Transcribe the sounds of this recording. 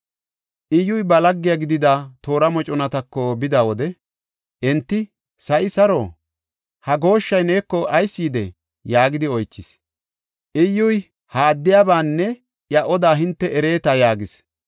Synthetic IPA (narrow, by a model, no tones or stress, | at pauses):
ʔɪjːʊjbɐlɐɡːɪjɐɡɪd̪ɪd̪at̪o̞ːɾɐmɔt͡ʃʼɔnɐt̪ɐkːɔbɪd̪aːwɔd̪ɛ | ʔɛnt̪ːɪ | sɐʔɪsɐɾo̰ː | hɐɡo̞ːʃːɐjneːkːɔʔɐjsːiːd̪ɛ̰ | jaːɡɪd̪ɪɔjt͡ʃːɪs | ʔɪjːʊj | haːd̪ːɪjaːbaːnːɛ | ʔjɐʔɔd̪aːɦɪnt̪ːɛɛɾe̞ːt̪ajaːɡɪs